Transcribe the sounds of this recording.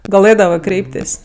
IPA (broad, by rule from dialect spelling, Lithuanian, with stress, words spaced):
ɡɐˈlˠɘdɐʋɜ ˈkrʲɛɪpʲtʲeːsʲ